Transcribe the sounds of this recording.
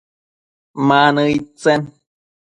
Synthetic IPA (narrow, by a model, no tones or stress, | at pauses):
manɨit͡sen